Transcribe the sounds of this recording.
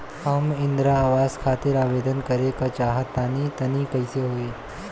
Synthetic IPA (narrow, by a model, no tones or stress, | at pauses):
ɐmɪ̃nd̪ɾaaːʋaːzkʰaːt̪ɪɾaːʋeːd̪ənkɐɾekat͡ʃaːɦət̪ːaːnit̪ɐnikɐɪseɦoːeː